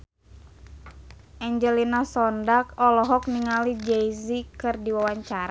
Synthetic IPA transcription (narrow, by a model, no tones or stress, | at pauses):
ʔaɲd͡ʒɛlinasɔndak̚ɔlɔɦɔk̚niŋalid͡ʒɛjzikɨrdiwawaɲt͡ʃaɾa